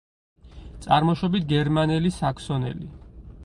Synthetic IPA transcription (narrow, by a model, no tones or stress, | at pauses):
t̪sʼaɾmɔʃɔbit̪ʰɡɛɾmanɛlisakʰsɔnɛ̰li